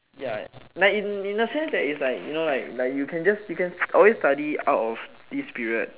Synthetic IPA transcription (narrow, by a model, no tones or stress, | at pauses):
ja̰naʊĩnĩnəsɛ̃nsdɛtislaɪkjṵnolaɪklaɪkjukʰɛ̃nd͡ʒasjukɛ̃nsɔlwestadia̰ʊtɔf | d̥ispiɹiə̰d̚